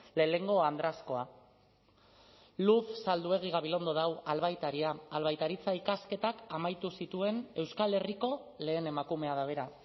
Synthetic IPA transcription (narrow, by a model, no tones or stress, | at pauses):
le̞le̞ŋɡo̞and̪ɾasko̞a | luθsald̪ue̞ɣ̞iɣ̞aβilo̞nd̪o̞ðawalβajt̪aɾiaːlβajt̪aɾit͡saikaske̞t̪akamajt̪usit̪ue̞ne̞wskale̞riko̞le̞ːne̞makume̞aðaβ̞e̞ɾa